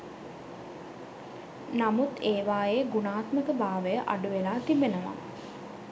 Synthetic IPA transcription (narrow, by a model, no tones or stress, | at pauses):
namut̪eːʋaːjeɡunaːt̪məkəbaːʋəjəʔaɖuʋelaːt̪ibenəʋa̰